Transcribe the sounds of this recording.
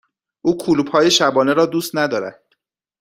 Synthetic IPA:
ʔuːkʰuluːbhɒːje̞ʃæbɒːne̞ɾɒːd̪uːst̪næd̪ɒːɾæ̰d̪̥̚

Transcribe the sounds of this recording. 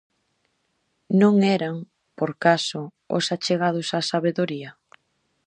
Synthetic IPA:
nõŋɛɾaŋ | poɾkasʊ | ʊ̰sat͡ʃeɣað̞ʊsasaβeðoɾiɐ

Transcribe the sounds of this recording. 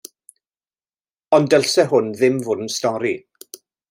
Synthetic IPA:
ɔndəlˠsɛɦʊnðɪmvʊdn̩stɔɾi

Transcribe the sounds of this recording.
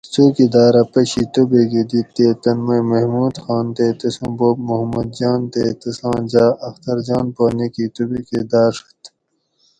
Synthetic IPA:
soːkid̪aːɾɐpɐɕit̪ubekid̪it̪ːet̪ɐnmɐjmɐhmuːd̪xaːnt̪et̪ɐsõːboːbmuɦɐmɐd̪̚d͡ʑaːnt̪et̪ɐsãːd͡ʑaːʔɐxt̪ɐɾd͡ʑaːnpaːnikit̪ubeked̪aːɾʂɐ̥t̪

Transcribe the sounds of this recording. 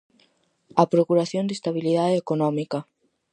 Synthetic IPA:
apɾokuɾaθjond̪est̪aβiliðaðeekonɔmikɐ

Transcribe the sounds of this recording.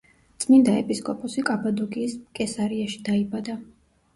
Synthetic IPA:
t̪sʼmind̪aɛ̰pʼiskʼɔpʼɔsikʼabad̪uɡʼiːskʼɛsaɾiaʃi̥d̪̥aibad̪a

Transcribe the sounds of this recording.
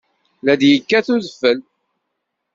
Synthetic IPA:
læd̪jəkːæθuðəfːəl

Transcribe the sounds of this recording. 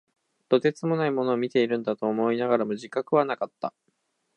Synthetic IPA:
d̪̥o̞t̪e̞t͡sɨmo̞naimo̞no̞ːmʲit̪e̞iɾɯ̟̃nd̪at̪o̞ːmo̞inaɡaɾamoʑikakɯ̟β̞anakat̪ːa

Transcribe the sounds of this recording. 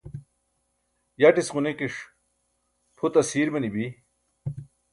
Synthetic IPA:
jaʈisʁunekiʂ | pʰut̪ɐsiːɾmɐnibi

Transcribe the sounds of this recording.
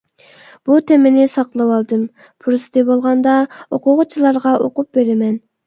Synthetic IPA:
b̥ut̪ʰɛmɪnɪsɑqlˠɨwɑlˠd̪ɨm | pʰuɾɨsɨ̥d̪ɪbolˠʁɑnd̪ɑoqʊʁʊt͡ʃʰilˠɑɾʁɑʔoqʊp̚beɾɪmɛn

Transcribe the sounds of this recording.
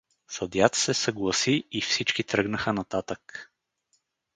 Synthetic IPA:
sɐd̪jat̪sɛsəɡlˠɐsiifsit͡ʃkit̪ɾɤɡnəxənɐt̪at̪ək

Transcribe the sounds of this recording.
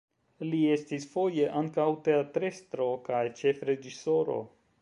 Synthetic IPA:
lie̞stisfo̞jeʔaŋkawte̞atɾe̞st̪ɾo̞kajt͡ʃe̞fɾe̞d͡ʒiso̞ɾo̞̰

